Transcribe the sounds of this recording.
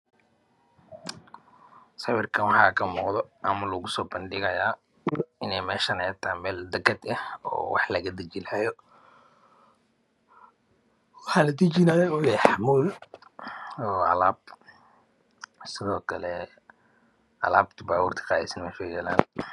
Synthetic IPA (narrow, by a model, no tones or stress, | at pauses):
sɐwɪrkʰɐnwɑħɑːkʰɐmuːqd̪ɔʔɐmɐlɐɣʊsɔːbɐnd̪ɪɣɐjaː | ɪnɛjmɛːʃɐnɛjt̪ʰamɛːld̪ɐkʰɐd̪ɐhɔ̰ːwɑ̰ħlɐɣɐd̪ɐt͡ʃɪlhɛjɔ | wɑħɑːlɐt̪it͡ʃinaːjɛʊjɛħɑmuːl | ɔːɐ̰laːb | sɪðɔːkʰɐlɛ | ʔɐ̰laːbt̪ʰʊbaːwuːrt̪ʰɪ̥qɑːðɛ̰snmɐʃɛːɡɐla̰ːn